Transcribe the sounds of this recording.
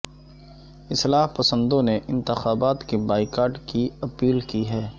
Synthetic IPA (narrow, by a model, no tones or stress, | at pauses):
ɪslaːɦpɐsə̃nd̪õneʔɪ̃nt̪ɪxaːbaːt̪kebaːɪkaːɾɖkiɐpiːlkiɦɛː